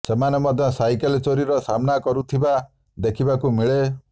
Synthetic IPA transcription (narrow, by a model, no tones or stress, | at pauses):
semanemɔd̪ʱjɔsajkelt͡ʃoɾiɾɔsamnakɔɾut̪ʰiba | d̪ekʰibakumiɭe